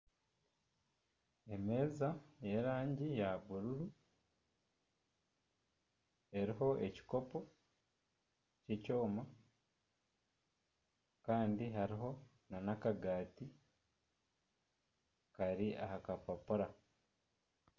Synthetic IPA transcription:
e̞me̞ːzajeɾaːɲɟijaβuɾuɾu | e̞ɾiɦo̞ʔe̞ci̥ko̞po | ceco̞ːma | kaːndiɦaɾiɦo̞ | nanakaɡaːti | kaɾiʔahakapapuɾa

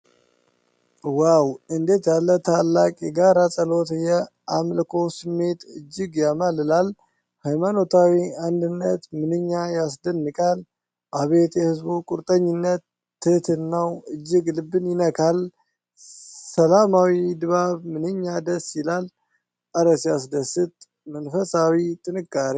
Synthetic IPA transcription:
wawɨnd̪e̞t̪jalːət̪ʰalːakʼjɛɡaɾasʼəlo̞t̪jɛ | amlkʰo̞sɨmːe̞t̪ɨd͡ʒːɨɡjamalɨlal | hajmanot̪ʰawiand̪ɨnːət̪mɨnɨɲːajasd̪ənːɨkʼal | baβet̪jɛhɨzbukʼʊɾt̪ʼəɲːɪnːət̪ː | ɨt̪ʰɨnːawɨd͡ʒːɪɡlɨbːɨnjɪnəkʰal | səlamawid̪ɨβaβmɨnɨɲːad̪əsːɪlal | ʔəɾəsjasd̪əsɨt̪ʼ | mənfəsawit̪ʼɨnɨkʼːaɾi

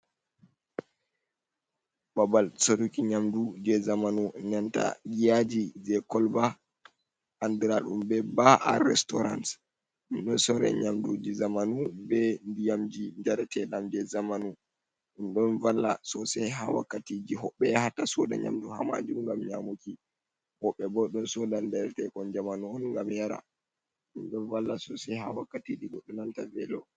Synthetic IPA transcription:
babalsoɾukiɲamdud͡ʒɛzamanuɲanta̰ɡijad͡ʒid͡ʒɛkɔlba | andɾaɗumbɛbaʔa̰ɾɛstɔɾa̰ns | ɗumɗɔnsɔɾɛ̰ɲamdud͡ʒizamanubɛndijamd͡ʒid͡ʒaɾɛtʰɛɗamd͡ʒɛzamanu | ɗunɗɔnvalːa̰sɔsɛjɦawa̰kːatid͡ʒiɦɔɓːɛhatasɔɗa̰ɲa̰mduha̰ma̰d͡ʒuŋɡamɲamoki | hɔɓːɛbɔɗɔnsɔdandɛɾɛtɛkɔnd͡ʒamanuɔnŋɡamjaɾa̰ | ɗunɗɔnvalːasɔsɛhawakːatid͡ʒiɡɔɗːunantavɛ̰lɔ

